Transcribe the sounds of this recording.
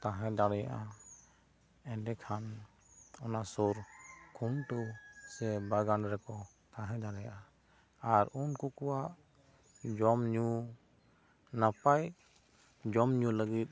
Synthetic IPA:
t̪ãɦɛ̃d̪aɽɛjaʔa | ɛɖɛkʰan | ɔnasoɾkʰunʈusɛbaɡanɖɾɛkɔ | t̪ãɦɛ̃d̪aɽɛjaʔa | aɾunkukɔwaʔ | d͡ʒɔmɲu | napaj | d͡ʒɔmɲuləɡit̪̚

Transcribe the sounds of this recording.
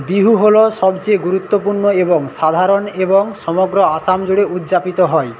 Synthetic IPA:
biɦuɦoloʃɔbt͡ɕeɡuɾut̪ːopuɾnoeboŋʃad̪ʱaɾoneboŋʃɔmoɡɾoasamd͡ʑoɽeud̪d͡ʑapit̪oɦɔe

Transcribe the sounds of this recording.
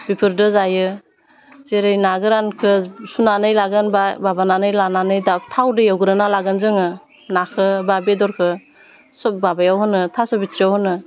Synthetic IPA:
bipʰɯɾdɯzajɯ | zeɾɯjnaɡɯɾankʰɯsunanɯjlaɡɯnbababananɯjlananɯjdatʰawdɯjawɡɯɾɯnalaɡɯnzɯŋɯ | nakʰɯbabedɔɾkʰɯ | sɔp̚babajawɦɯnɯtʰasɔbitʰɾijawhɯnɯ

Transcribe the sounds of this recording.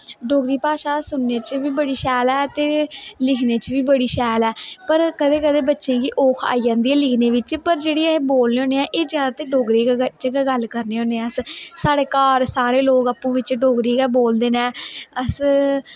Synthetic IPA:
ɖoːɡɾiːpaːʃaːsʊnːeːt͡ʃʋiːbəɽiːʃɛːlɛːt̪eːlɪkʰneːt͡ʃʋiːbəɽiːʃɛːlɛːpəɾkəd̪eːkəd̪eːbətːʃẽːkiːʔoːkʰa̰ːid͡ʒãːnd̪iɛːlɪkʰneːʋɪt͡ʃpəɾd͡ʒeːɽiːə̃boːlneːõːneːɛ̃ːʔeːzjaːd̪aːt̪eːɖoːɡɾiːkːt͡ʃkaɡəlkəɾneːõːneːɛ̃əssaːɽeːkaːɾsaːɾeːloːɡaːpːũːʋɪt͡ʃɖoːɡɾiːkaːboːld̪eːnɛːəs

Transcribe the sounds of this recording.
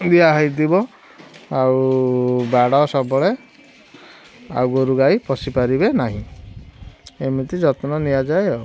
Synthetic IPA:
d̪iaɦɔjd̪ibɔ | aubaɽaɔsɔbɔɭe | a̰ɡɔɾuɡajpɔsipaɾibenaɦĩ | emit̪id͡ʒɔt̪nɔniad͡ʒaeɔ

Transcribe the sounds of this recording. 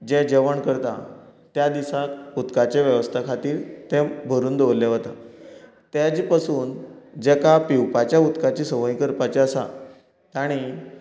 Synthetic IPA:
d͡ʑɛ̃d͡ʑeʋəɳkəɾt̪a̰t̪jad̪isakut̪kat͡ɕeʋjəʋəst̪ʰakʰat̪iːɾt̪ɛ̃bʱəɾuːnd̪oʋlːɛɦot̪a̰ | t̪jad͡ʑpasuːnd͡ʑɛkapiwpat͡ɕjaut̪kat͡ɕiːsəʋə̃ĩkəɾpat͡ɕɛəsa̰ | t̪aɽ̃i

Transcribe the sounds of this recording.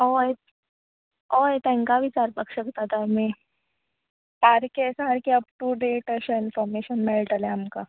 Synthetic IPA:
oj | ojt̪ɛ̃ŋkaʋit͡ɕaɾpakɕəkt̪at̪ami | paɾkesãəɾkiəp̚ʈuɖeʈəɕainfɔɾmeɕənmeɭʈaleamka

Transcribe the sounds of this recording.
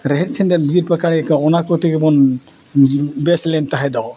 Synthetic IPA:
ɾɛɦɛt̪̚t͡ʃʰɛnd̪ɛnbiɾpakaɽɛkɔɔnakɔt̪ʰɛkɛbɔn | bɛslɛnt̪aɦɛd̪ɔ

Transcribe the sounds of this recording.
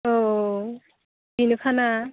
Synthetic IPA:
o | binukʰana

